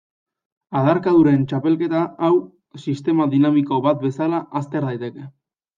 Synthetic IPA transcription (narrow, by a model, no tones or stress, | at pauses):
aðaɾkaðuɾent͡ʃape̞lke̞t̪aːw | sist̪e̞maðinamiko̞βat̪̚be̞salaʔːst̪eɾðajt̪e̞ke̞